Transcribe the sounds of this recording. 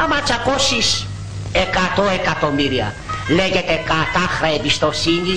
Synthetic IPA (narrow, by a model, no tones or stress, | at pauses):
ɐmɐt͡ʃɐkosis | ekɐt̪oekɐt̪o̞miɾiɐ̰ | leʝe̞t̪e̞kɐt̪ɐxɾɐebist̪o̞siɲi